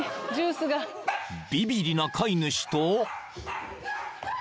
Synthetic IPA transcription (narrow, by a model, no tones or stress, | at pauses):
d͡ʑɨːsɨɡa | b̥ʲibʲiɾʲinakʰainɯ̟ɕi̥t̪oː